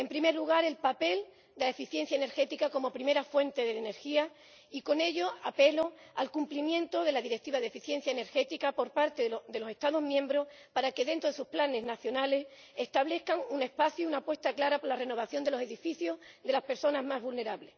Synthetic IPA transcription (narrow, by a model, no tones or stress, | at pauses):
e̞mpɾime̞ɾluɣ̞aɾe̞lpape̞l | d̪elaefiθje̞n̟θjaene̞ɾxe̞t̪ikako̞mo̞pɾime̞ɾafwe̞nt̪e̞ðeene̞ɾxia | iko̞ne̞ʎo̞ape̞lo̞alkumplimjẽ̞nt̪o̞ðe̞laðiɾe̞k̚t̪iβaðe̞fiθje̞n̟θjaene̞ɾxe̞t̪ikapo̞ɾpaɾt̪e̞ðe̞lo̞se̞st̪aðo̞zmjẽ̞mbɾo̞h | paɾake̞ðe̞nt̪ɾoesusplane̞znaθjo̞nale̞s | e̞st̪aβle̞hkaŋune̞hpaθjuunapwe̞st̪aklaɾapoɾlare̞no̞β̞aθjo̞nd̪e̞lo̞seðifiθjozd̪e̞laspe̞ɾso̞nazmazβulne̞ɾaβle̞s